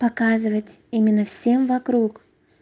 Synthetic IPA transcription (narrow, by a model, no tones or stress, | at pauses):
pɐkazɨvətʲimʲɪnːəfsʲe̞mvɐkɾuk